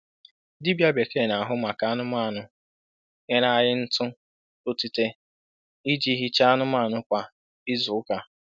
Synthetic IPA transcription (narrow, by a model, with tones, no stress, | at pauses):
di˦bja˦be˨ke˦˨na˨a˨ɦʊ˦ma˨ka˨˦a˦nʊ˦ma˦˨nʊ˦ | ŋe˨na˨a˨ɾɪ˦n̩˦tʊ˦ | o˦ti˨te˦ | i˦d͡ʒi˦ɦi˦t͡ʃa˦a˦nʊ˦maː˦˨nʊ˦kʷa˨ | ɪ˦zʊ˨ʊ˦ka˦